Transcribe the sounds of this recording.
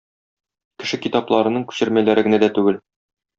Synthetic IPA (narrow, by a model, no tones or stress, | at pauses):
kɘ̆ʃɘkit̪ɑplˠɑɾɤ̆nɤɴkʉ̥ɕɘ̆ɾmælæɾɘɡɘ̆næd̪æt̪ʉɡɘl